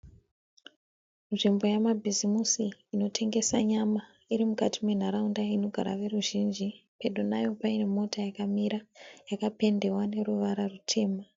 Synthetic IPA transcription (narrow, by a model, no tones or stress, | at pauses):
nʐimbo̞jamabʱizimusiːno̞tʰe̞ŋɡe̞saɲama | iɾimukatimwe̞n̤aɾaundaino̞ɡʱaɾa̰ʋe̞ruʒind͡ʒipedʱonajo̞paine̞mo̞tajakamiɾajakape̞nde̞wane̞ɾuʋaɾarutʰe̞ːma